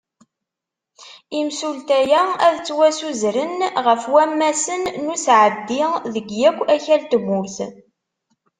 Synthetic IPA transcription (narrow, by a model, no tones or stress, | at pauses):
imsult̪æjææðt͡sːwæsuzɾənʁəfwæmːæsənːusʕəd̪ːɪðəɡjækʷːæçælt̪əmːʊɾθə̰n